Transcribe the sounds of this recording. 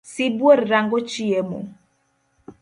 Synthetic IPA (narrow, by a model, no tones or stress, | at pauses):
sibwoɾɾaŋɡot͡ʃiemo̰